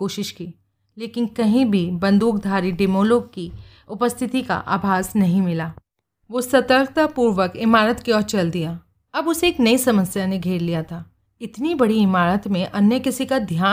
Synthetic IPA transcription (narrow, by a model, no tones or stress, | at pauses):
koːʃɪʃkiː | leːkɪnkɐɦĩbʱibɐ̃nd̪uːk̚d̪ʱaːɾiɖeːmoːloːɡ̚ki | ʊpəst̪ʰɪt̪ika̰ʔa̰ːbʱaːsnɐɦĩmɪlaː | ʋoːsɐt̪əɾkt̪apuːɾʋəkɪmaːɾət̪keɔːɾt͡ʃɐld̪ijaː | ɐbʊseːknɐisɐməsjaneɡʱeːɾlijat̪ʰaː | ɪt̪nibɐɽiɪmaːɾət̪mẽʔɐnjəkɪsikad̪ʱjaː